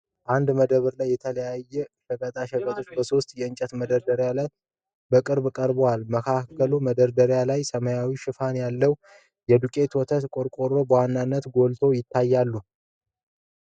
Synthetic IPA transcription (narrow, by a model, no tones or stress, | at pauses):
ʔand̪məd̪əβɨɾlajːɛt̪ʰələjajːɛʃɛkʼət̪ʼaʃɛkʼət̪ʼo̞t͡ʃːbəso̞st̪jɛɨnt͡ʃʼɛt̪məd̪əɾd̪əɾjalaj | bəkʼɨɾbkʼəɾbowalməkʰakʰːəluməd̪əɾd̪əɾjalajsəməjawiʃɪfanjalːəw | jɛd̪ukʼe̞t̪ʰot̪ʰət̪kʼo̞ɾkʼo̞ɾo̞bəwanːanːət̪ɡo̞lt̪ʰo̞jɪt̪ʰːajːalːu